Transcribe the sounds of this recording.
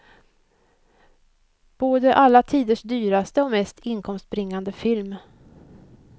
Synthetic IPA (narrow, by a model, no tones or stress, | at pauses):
b̥oːd̪əʔalːat̪ʰiːd̪əʂd̪yːɾast̪əɔmɛst̪ʰɪnkʰɔmst̪̚bɾɪŋːand̪əfɪlm